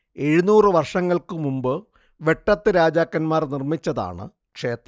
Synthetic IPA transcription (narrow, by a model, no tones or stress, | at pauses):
e̞ɻunuːrɨʋɐrʂɐŋːɐɭkɨmumbɨ | ʋe̞ʈːɐt̪ːɨɾaːd͡ʑaːkːɐnmaːrnirmit͡ɕːɐða̰ːɳɨ̰ | kʂe̞ːt̪rɐ